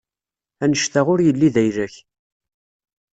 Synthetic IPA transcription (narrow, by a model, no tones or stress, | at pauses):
ænəʃt̪aʁʊɾjəlːiðæjɾæç